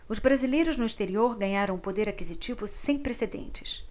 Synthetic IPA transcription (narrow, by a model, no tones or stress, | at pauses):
ʊzbɾazilejɾʊznʊist̪eɾioɾɡɐ̃ɲaɾɐ̃w̃pod̪eɾakizit͡ʃivʊsẽj̃pɾesed̪ḛ̃nt͡ʃɪ̥s